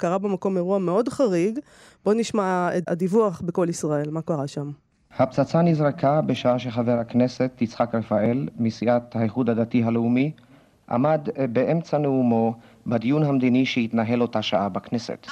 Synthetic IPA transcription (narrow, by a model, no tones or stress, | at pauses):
kaʁabemako̞meʁuame̞o̞d̪χaʁiɡ | b̥o̞niʃmaea̰d̪ivuaχbeko̞lisʁae̞lmakaʁaʃam | hap̚t͡sat͡sanizʁekʰabeʃaaʃeχaveʁhakne̞setːit͡sχakʁefaʔe̞lmisiʔat̪haiχud̪had̪at̪iɦaleumi | ʔa̰mad̪beʔemt͡saneumo | bad̪ijunɦamd̪iniʃehit̪naɦe̞lo̞taʃaʔabaknesḛt̪